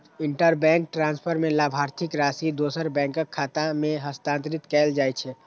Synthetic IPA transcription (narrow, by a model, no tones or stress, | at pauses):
ɪ̃ɳʈəɾbɛ̃ːŋk̚ʈɾãːnspʰəɾmẽlaːbʱaːɾt̪ʰɪkɾaːsid̪oːsəɾbɛ̃ːŋkəkkʰːaːt̪ãmẽɦəst̪ãːnt̪ɾɪt̪kɛːld͡ʒaːjt͡ʃʰɛː